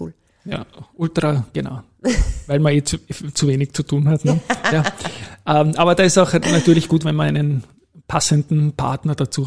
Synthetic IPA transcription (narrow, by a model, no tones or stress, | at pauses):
kṵːl | ja̰ːʔʊltʁ̥aɡ̥ena̰ʊ | væɪlmɐeːt͡sut͡suveːnɪçt͡sutʰuːnɦatnəjaːʔɐmʔaːbɐdaːɪstaʊxnatyːɐlɪçɡ̥uːtvɛnmɐn̰ɪnən | pʰasəndn̩pʰa̰ɐtnɐd̥at͡suː